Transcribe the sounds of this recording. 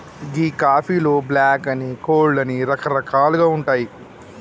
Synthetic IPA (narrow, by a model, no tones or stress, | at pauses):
ɡiːkaːpʰiːlo̞ːblaːkɐnikoːɭːɐniɾɐkʰɐɾɐkʰaːluɡaːuɳʈaːji